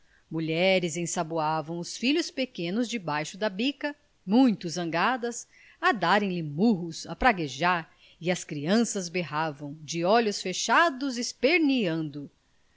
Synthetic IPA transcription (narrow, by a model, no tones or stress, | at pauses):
muʎɛɾɪzẽsabuavɐ̃w̃ʊsfiʎʊspekẽnʊzd͡ʒɪbajʃʊd̪ɐbikɐ | mũj̃t̪ʊzɐ̃ŋɡad̪ɐs | ɐd̪aɾẽj̃lɪmuɦʊsapɾaɡeʒaɾ | ɪɐskɾiɐ̃sɐzbeɦavɐ̃w̃d͡ʒɪɔʎʊsfeʃad̪ʊzɪspeɾniɐ̃nd̪ʊ